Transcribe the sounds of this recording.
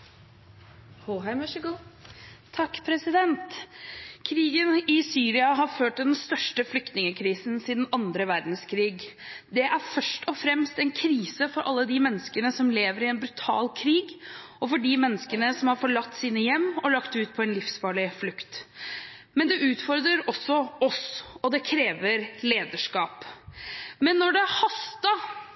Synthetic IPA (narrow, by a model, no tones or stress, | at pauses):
hoɦɑɪmɑʃəɡuːt̪ʰɑkːpʰɾɛsɪd̪ɛnt̪ | kʰɾiːɡənɪsyːɾɪɑɦɑɾføːʈd̪ɛnst̪œʂʈəflʏk̚t̪nɪŋəkʰɾiːsn̩siːd̪n̩ɑnd̪ɾəʋæɾd̪nskʰɾiːɡd̪ɛʔæɾfœʂʈʰɔfɾɛmst̪ɛnkʰɾiːsəfɔɾʔɑlːəd̪ɪmɛnːəskənəsɔmleːʋəɾɪɛnbɾʉt̪ʰɑ̰ːlkʰɾiːɡ | ɔfɔɖɪmɛnːəskənəsɔmhɑɾfɔɭɑt̪ːsiːnəjɛmːɔlɑkt̪ʉːt̪̚pʰɔɛnlɪfsfɑːɭɪflʉkt̪ | mɛnd̪ɛʔʉːt̪fɔɾd̪ɾəɾɔsːɔɔsɔd̪ɛkʰɾeːʋəɾleːd̪əʂkɑːp | mɛnːɔɖɛhɑst̪ɑ